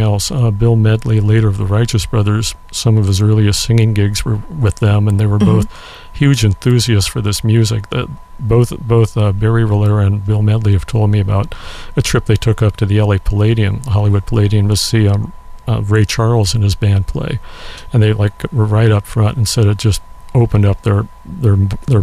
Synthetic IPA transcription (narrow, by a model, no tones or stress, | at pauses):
ɛlˠsʌbɪlˠmɛdˡlileɪɾə˞ʌvðəɹaɪt͡ʃɨsb̥ɹʌðə˞z̥ | sʌ̃mʌv̥ɨzɜ˞lˠiɨssɪ̃ŋɪ̃ŋɡɪɡzwə˞wɨðɨ̃mə̃nðeɪwə˞boʊθ | hjʉd͡ʒɨ̃nθʉziɨstfə˞ðɪsmjʉzɪk̚ð̰̚ | boʊθboʊθʌbɛɹiɹɪlˠə˞ɨ̃nbɪlˠmɛdˡliɨv̥tʰoʊlˠd̚miɨbaʊɾɨtʰɹ̥ɪp̚ðeɪtʰʊkʌp̚tʰɨðiɛlˠeɪpʰəleɪɾiɨ̃nɦɑlˠiwʊd̚pʰəleɪɾiɨ̃nwʌz̥siʌ | ɹeɪt͡ʃʰɑɹl̩ˠzɨ̃nɨzbæ̃npʰl̥ḛɪɨ̃nðeɪlaɪkəɹaɪɾʌpfɹʌ̃ntn̩sɛɾɨ̥d͡ʒʌst̚oʊpə̃ndʌp̚ðə˞ | ðə˞ðə˞